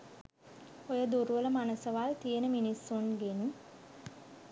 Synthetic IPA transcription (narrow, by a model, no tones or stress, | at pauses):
ojəd̪uɾuʋələmanəsəʋalt̪ijənəminisːunɡeni